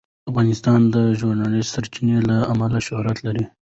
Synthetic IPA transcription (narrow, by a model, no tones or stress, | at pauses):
afɣɑnɪst̪ɑnd̪əʒuɾnɑlisaɾt͡ʃinelaamalaʃʊhɾat̪laɾi